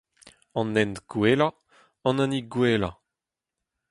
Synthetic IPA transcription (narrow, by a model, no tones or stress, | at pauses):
ɑ̃nːɛnt̪ɡ̥weːla | ɑ̃nãniɡweːla̰